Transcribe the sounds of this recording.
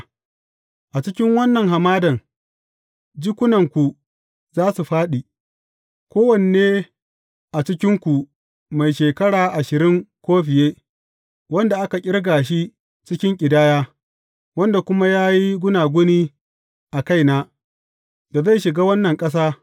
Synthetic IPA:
ʔa˨t͡ʃɪ˦kʲɪ˦ŋwɐ˦nːɐ˨ŋɦa˨maː˦dɐ˨ŋ | d͡ʒi˦kʷʊ˦nɐ˨ŋkʷu˨ | zaː˦su˨ɸaː˦ɗi˨ | kʷoː˦wɐ˨ne˨neː˦ | ʔa˨t͡ʃɪ˦kʲɪ˦ŋkʷu˨ | ma˨jʃeː˨kɐ˦ɽaː˨ʔa˨ʃɪ˨ɾɪ˦ŋkʷoː˦ɸɪ˨jeː˦ | wɐ˦nda˨ʔa˦ka˨kʲʼɪ˦ɽɡaː˨ʃ̬i˦ | t͡ʃɪ˦kʲɪ˦ŋkʲʼɪ˨daː˦jaː˦ | wɐ˦nda˨kʷʊ˦ma˦jaː˦ji˦ɡʷʊ˦naː˨ɡʷʊ˦niː˦ | ʔa˨ka˦jnaː˦ | da˨za˦˨jʃɪ˨ɡaː˦wɐ˦nːɐ˨ŋkʼɐ˦s̬aː˦

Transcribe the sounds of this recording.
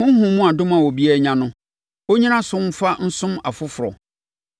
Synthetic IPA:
hʊ̃˦hʊ̃˨mũ˦a˨dʊ̃˦mã˨wɔ˨bi˦ɛ˦ɲã˦nʊ̃˦ | o˦ɲĩ˦nã˦sʊ̃˦m̩˦fa˦n̩˦sʊ̃˦ma˨fʊ˦fʊ˨ɾɔ̰˨

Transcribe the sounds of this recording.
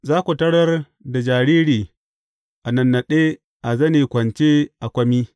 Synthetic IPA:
zaː˦kʷu˨tɐ˦ɽɐ˦r | da˨d͡ʒaː˨ɾiː˦ɽiː˨ | ʔa˨nɐ˨nːa˨ɗe˦ | ʔa˨zɐ˦neː˨kʷɐ˨nt͡ʃeː˦ʔa˨kʷɐ˦miː˦

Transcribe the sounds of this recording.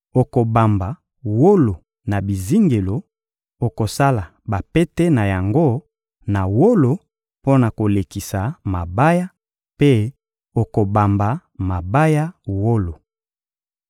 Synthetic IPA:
o˨ko˨ba˨mba˨ | wo˦lo˨ | na˨bi˨zi˦ŋɡe˨lo˨ | o˨ko˨sa˦la˨ | ba˨pe˦te˦na˨ja˨ŋɡo˦ | na˨wo˦lo˨ | po˦na˨ko˨le˨ki˨sa˨ma˨ba˦ja˦ | pe˦ | o˨ko˨ba˨mba˨ | ma˨ba˦ja˦wo˦lo˨

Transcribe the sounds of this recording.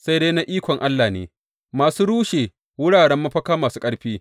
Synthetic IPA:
sa˦jdeː˦jna˦ʔiː˦kʷɔ˨ŋʔa˦lːaː˨nḛː˨ | maː˨suː˦ɽuː˦ʃeː˨ | wʊ˦ɽaː˨ɽɛ˦mːa˦ɸɐ˦kaː˦maː˨suː˦kʼɐ˦ɽɸiː˦

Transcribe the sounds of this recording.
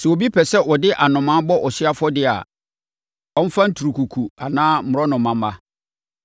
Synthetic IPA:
sɛ˨o˨bi˦pʰɛ˨sɛ˦wɔ˨dɪ˦ʔa˨nʊ̃˨mã˦bɔ˦ʔɔ˨ɕɪ˦a˦fɔ˦dɪ˦a̰˨ | ɔ̃˦n̩˦fã˦n̩˦tʰu˨ɾu˨kʰu˨kʰu˨a˨nãː˦m̩˦ʊ˨ɾɔ˦nʊ̃˨mã˨m˦ba˦

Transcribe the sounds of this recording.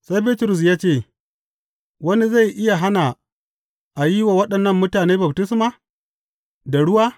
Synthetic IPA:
sa˦jbiː˦tʊ˨ɾʊ˨s̬jaː˦t͡ʃeː˦˨ | wɐ˦ni˦za˦˨jʔɪ˦ja˨ɦa˦na˨ | ʔa˨ji˦wa˨wɐ˦ɗɐ˨nːɐ˦˨mːʊ˦taː˨neː˦bɐ˨btɪ˦s̬maː˨ | da˨ɽʊ˦waː˦

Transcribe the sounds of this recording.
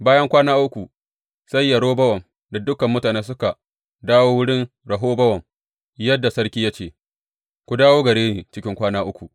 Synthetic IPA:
baː˦jɐ˦ŋkʷaː˦naː˦ʔʊ˦kʷu˨ | sɐ˦jːɐ˨ɽoː˦bɐ˦wɐ˨m | da˨dʊ˦kɐ˨mːʊ˦taː˨neː˦s̬ʊ˦ka˨ | daː˦woː˦wʊ˦ɽɪ˦n | ɽɐ˨ɦoː˦bɐ˦wɐ˨m | jɐ˦dːa˨sɐ˦ɽkʲiː˦ja˦t͡ʃeː˨ | kʷʊ˨daː˦woː˦ɡɐ˨ɽeː˦ni˨t͡ʃɪ˦kʲɪ˦ŋkʷaː˦naː˦ʔʊ˦kʷu˨ʔ

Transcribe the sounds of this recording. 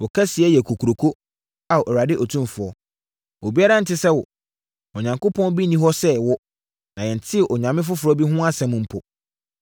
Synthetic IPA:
ɔ˨kʰa˦si˨ɛ˦jɛ˨kʰo˨kʰu˨ɾo˨kʰo˦ | a˨ʔɔ˨ɾa˨dɪ˦ʔɔ˨tʰũ˦m˨fʊ˨ɔ˦ | o˨bi˦a˦ɾã˦n̩˨tɪ˦sɛ˦wɔ˨ | ɔ˨ɲã˨ŋko˦pʰɔ̃˦n˦bi˦nĩ˦ɦɔ˦sɛ˦wɔ˦ | nã˨jɛ˨n˨tʰɪ˦˨ʔɔ˨ɲã˨mɪ̃˦f̬ʊ˦fʊ˨ɾɔ˦bi˦ɦʊ̃˦a˦sɛ̃˦m̃˨m̩˦pʰɔ˨

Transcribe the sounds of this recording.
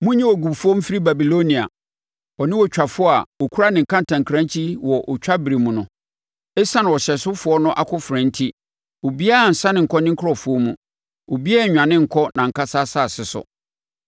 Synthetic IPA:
mʊ̃˦ɲɛ̃˦wɔ˨ɡu˨bfʊ˦ɔ˦m̩˦fi˦ɾi˦ba˨bi˨lo˦nĩ˨a̰˨ | ɔ˨nɪ̃˦wɔ˨t͡ɕᶣa˨fʊ˦ɔ˦a˨wɔ˨kʰu˦ɾa˦nɪ̃˨ŋ̩˨kʰã˦n˨tʰã˨ŋ˨kʰɾã˦ɲ˦t͡ɕʰi˦wɔ˨ʔɔ˨t͡ɕᶣa˦bɪ˨ɾi˨mũ˨nʊ̃˨ | ɛ˦sã˦nã˨wɔ˨ɕɛ˨sʊ˦fʊ˨ɔ˦nʊ̃˦ʔa̰˨kʰʊ˦fɾɛ̃˨n̩˦tʰi˦ | o˨bi˦a˦a˨n̩˨sã˦nɪ̃˨ŋ̩˨kʰɔ˦nɪ̃˦ŋ̩˦kʰɔ˨fʊ˨ɔ˦mũ˦ | o˨bi˦a˦˨ɲᶣ˨ã˨nɪ̃˦ŋ̩˨kʰɔ˦nã˨ŋ̩˨kʰa˦sa˦saː˦˨sɪ˨sʊ̰˨

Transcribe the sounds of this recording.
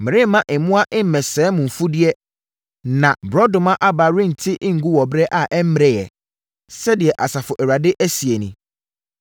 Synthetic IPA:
mɪ̃˨ɾɪ̃˦mːã˦ʔɪ˨mʊ̃˦a˦ʔɪ˦m̩˨mɛ̃˨sɛː˨˦mʊ̃˨m̩˨fu˦dɪ˦ɛ˦ | nã˨bɾɔ˦dʊ̃˨mã˦ʔa˦ba˨ɾĩ˦n̩˨tʰɪ˦ʔɪ̃˦ŋ̩˨ɡu˦wɔ˨bɾɛ˦ʔa˨ʔɛ˦m̩˦mɪ˨ɾɛ˨jɛ˨ | sɛ˦dɪ˨ɛ˨ʔa˨sa˨fʊ˨ʔæ˨wa˨dɪ˦ʔæ˦si˨e˨nĩ˨

